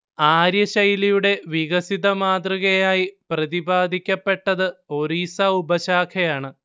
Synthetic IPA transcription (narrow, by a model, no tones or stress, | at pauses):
aːɾjɐɕɐjlijuɽe̞ʋiɣɐsiðɐmaːd̪rɨɣɐjaːjiprɐðibaːd̪ʱikʲːɐpːe̞ʈːɐðɨo̞ɾiːsɐubɐɕaːkʰɐjaːɳɨ